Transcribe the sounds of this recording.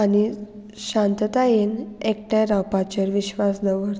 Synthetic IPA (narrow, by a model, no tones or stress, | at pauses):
ani | ɕãnt̪ət̪ajenek̚ʈjaɾapat͡ɕəɾʋiɕʋasd̪əʋəɾ